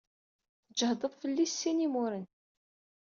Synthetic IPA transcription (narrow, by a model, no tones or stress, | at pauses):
θəd͡ʒəhðˤəðˤfəlːisːinimʊɾən